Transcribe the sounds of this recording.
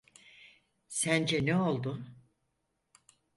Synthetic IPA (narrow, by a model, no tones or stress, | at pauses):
sænd͡ʒɛnɛo̞lˠd̪ʊ